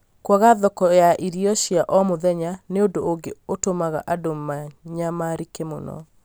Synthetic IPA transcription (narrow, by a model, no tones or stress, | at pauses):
kwaɣaðɔkɔjaʔiɾiɔɕiaʔɔmoðɛɲaneondoːɡeotomaɣa̰ʔadomaɲamaɾikemo̰nɔ̰